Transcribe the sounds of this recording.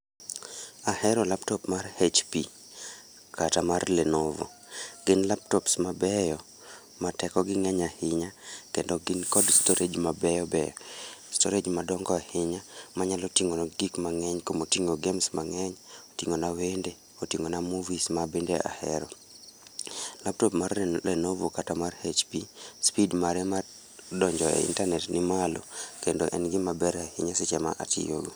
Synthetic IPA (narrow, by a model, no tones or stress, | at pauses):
ahɛɾɔlaptɔpmarhet͡ʃpi | katamarlenovɔ̰ | ɡ̥ɪnlaptɔpsmabɛjɔ | matɛkɔɡɪŋɛɲahɪɲakendɔɡɪnkɔdstoɾed͡ʒmabɛjɔbɛ̰jstoɾed͡ʒmadɔŋɡɔahɪɲamaɲalɔtiŋonaɡikmaŋɛɲkomotiŋoɡɛmsmaŋɛɲo̥tiŋonawende | otiŋonamuvismabendeʔa̰hɛɾɔ | lap̚tɔpmarɛlɛnovokatamarhet͡ʃpispidmaɾɛma | dɔɲd͡ʒɔḛḭntarnɛtnɪmalo̰kendo̰ʔɛ̰nɡɪmabɛɾahɪɲasɪt͡ʃɛma̰ʔa̰tḭjo̰ɡo